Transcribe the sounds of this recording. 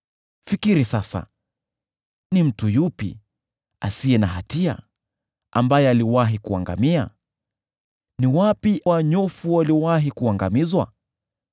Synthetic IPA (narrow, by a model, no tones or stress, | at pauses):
fikiɾisasa̰ | nim̩tujupḭ | a̰siɛnaɦatia̰ | a̰mbajɛaliwaɦikuaŋɡa̰mia̰ | niwapiʔwaɲɔfuwaliwaɦikuaŋɡamizwa̰